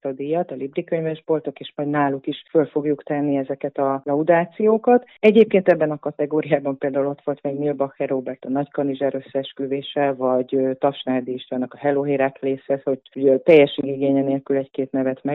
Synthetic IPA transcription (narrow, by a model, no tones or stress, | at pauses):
ɒd̪ijɒt̪ɒlibrikøɲvɛʒbo̞lt̪o̞keːʃmɒjd̪naːlukiʃfølfo̞ɡjukt̪ɛnːiɛzɛkɛt̪ɒlɒud̪aːt̪sijoːkɒt̪ɛɟeːp̚keːnt̪ɛbːɛnɒkɒt̪ɛɡoːɾijaːbɒmpeːld̪aːulo̞t̪ʋo̞lt̪mɛːɡnilbɒxɛɾoːbɛrt̪ɒnɒckɒniʒɛɾøsːɛʃkyveːʃɛvɒɟøt̪ɒʃnaːd̪iʃɒnːɒkɒɦɛloɦeːɾaːkleːshɛt̪ho̞ɟuɟt̪ɛjːɛʃiɡiɡeːɲɛneːlkylɛckeːt̪nɛvɛt̪mɛ